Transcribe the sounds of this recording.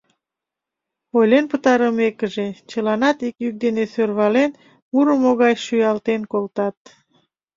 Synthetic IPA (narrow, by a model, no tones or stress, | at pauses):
ojlenpət̪ɑɾəmekəʒet͡ɕəlɑnɑt̪ikjyk̚d̪enesørβɑlen | muɾəmoɣɑjʃyjɑlt̪enkolt̪ɑt̪̚